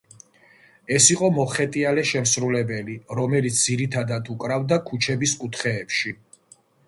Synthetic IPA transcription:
ɛsiqʼɔmɔχɛt̪ʼialɛʃɛmsɾulɛbɛliɾɔmɛlit̪sʰd̪ziɾit̪ʰad̪ad̪ʰukʼɾavd̪akʰut͡ʃʰɛbiskʼut̪ʰχɛːpʃi

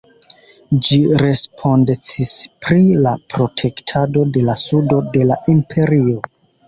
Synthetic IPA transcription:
d͡ʒiɾe̞spʰo̞ndet͡sispɾilapɾo̞tʰe̞ktʰado̞de̞lasudo̞de̞laʔimpʰe̞ɾio̞

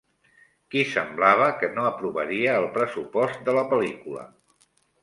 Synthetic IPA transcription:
kisəmblaβ̞əkənoəpɾuβə̰ɾiəːlˠpɾəsupɔst̪̚d̪ələpəlikulə̰

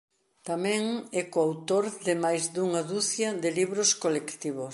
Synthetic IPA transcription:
t̪amɛ̃ŋɛkoawt̪oɾðɪmajzd̪uŋaðuθjɐðɪliβɾoskolekt̪iβo

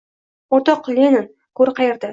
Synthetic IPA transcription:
oɾt̪ɒqlʲenɪn | kʰɵɾqʰɑjeɾd̪ɪ

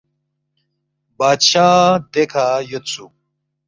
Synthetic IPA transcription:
baːd̪ɕaːd̪ekʰaːjot̪t͡sʰu

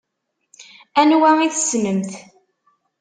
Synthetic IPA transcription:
ænwæiθsməmθ

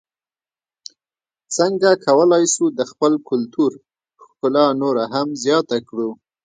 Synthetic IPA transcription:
t͡səŋɡakʰawəlɑjsud̪əxpəlkʊlt̪uɾ | xkʊlɑnoɾaɦamzjɑt̪akɽu

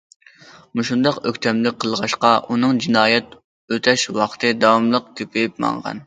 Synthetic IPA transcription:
muʃund̪ɑqøkʲt̪ʰɛmlɪqʰəlˠʁɑʃqɑʔunɨŋd͡ʒinɑːjɛt̪ | øt̪ʰɛʃwɑχt̪ʰɨd̪ɑwɑmlˠəq̚kʲʰøpʰejp̚mɑ̰ŋʁɑ̰n

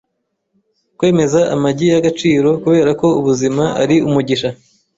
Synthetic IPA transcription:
kwe̞ːme̞zaʔamaɟijaɡat͡ʃiːɾo̞kuβe̞ːɾako̞uβuzimaa̰ɾiumuɟiʃa

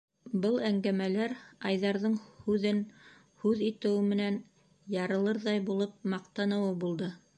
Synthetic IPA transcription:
bɤlˠæŋɡæmælæɾɑjðɑɾðɤɴhʉðɘn | hʉðit̪ɘ̆wɘmɘ̆næn | jɑɾɤ̆lˠɤɾðɑjbulˠɤp̚mɑqt̪ɑnɤ̆wɤbulˠd̪ɤ

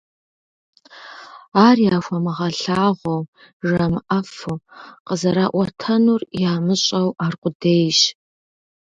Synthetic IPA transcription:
aːrjaːxʷɐmɨʁɐɬaːʁʷɔw | ʒɐmɨʔɐfɨqəzɐɾaːʔʷɐtʰɐnurjaːmɨɕʼɐwaːrqʷʊdeːjʒ

